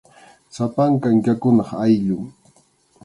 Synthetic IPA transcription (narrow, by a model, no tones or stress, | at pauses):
sapaŋkaŋkakʊnɑχajʎʊŋ